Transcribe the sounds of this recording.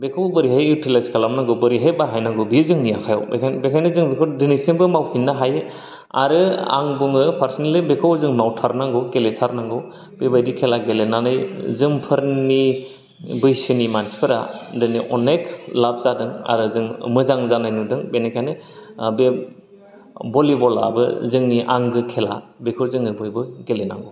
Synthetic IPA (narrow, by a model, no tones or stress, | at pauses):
bekʰɯwbɯɾiɦajitʰelaskʰalamnaŋɡɯwbɯɾiɦajbaɦajnaŋɡɯbizɯŋnijakʰaja̰wbekʰanbekʰajnezɯŋbekʰawdinisiŋbɯmawpʰinːaɦajɯ | a̰ɾɯa̰ŋbuŋɯpʰaɾsinelibekʰawzɯŋmawtʰaɾnaŋɡɯwɡeletʰaɾnaŋɡɯw | bebajdikʰelaɡelenanɯjzɯmpʰɯɾni | bɯjsɯnimanspʰɯɾa̰dɯniʔɔnekʰlap̚zadɯŋa̰ɾɯzɯŋmɯzaŋzanajnudɯŋbenekʰanebe | bɔlibɔla̰bɯ̰zɯŋniʔaŋɡɯkʰela̰bekʰɯwzɯŋɯbɯjbɯɡelena̰ŋɡɔ